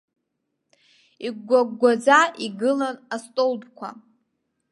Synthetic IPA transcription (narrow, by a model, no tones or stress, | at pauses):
iɡʷaɡʷad͡zaʔiɡɨlanastʼolbkʷʰa̰